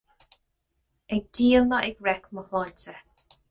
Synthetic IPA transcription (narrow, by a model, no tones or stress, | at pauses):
ɛɡ̚diːəlmaʔɪɡɹɛkməhɔntʰə